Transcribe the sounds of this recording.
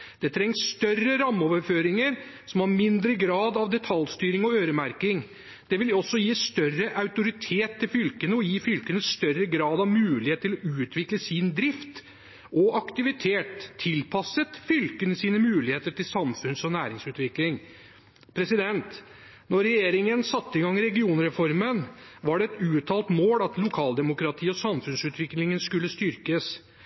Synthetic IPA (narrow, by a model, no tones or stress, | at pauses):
d̪̥ɛt̪ʰɾɛŋsst̪œrəɾɑmːoːʋəɾføːɾɪŋəɾ | sɔmhɑɾmɪnd̪ɾəɡɾɑːd̪ɑʋd̪ɛt̪ʰɑlst̪yːɾɪŋɔøːɾəmæɾkɪŋ | d̪̥ɛʋɪlɔsːɔjiːst̪œrəʔɑʉt̪ʊɾɪt̪ʰeːt̪ʰːɪlfʏlkənəɔjiːfʏlkənəst̪œrːəɡɾɑːd̪ɑʋmʉːlɪheːt̪ʰːɪlɔʉːt̪ʰʋɪkləsɪnd̪ɾɪft̪ | ɔʔɑkt̪ɪʋɪt̪ʰeːʈt̪ʰːɪlpʰɑsət̪fʏlkənəsiːnəmʉːlɪheːt̪əʈʰɪlsɑmfʉnsɔmnæːɾɪŋsʉːt̪ʋɪklɪŋ | pʰɾɛsɪd̪ɛnt̪ | nɔɾːɛjeːɾɪŋənsɑt̪ːəɪŋɡɑŋɪɾɛɡɪuːnɾɛfɔɾmənʋɑɖɛɛt̪ʉːt̪ʰɑːlt̪moːlɑt̪lʊkʰɑːld̪ɛmʊkɾɑt̪ʰiːɔsɑmfʉnsʉːt̪ʋɪklɪŋənskʉlːəst̪ʏɾkəs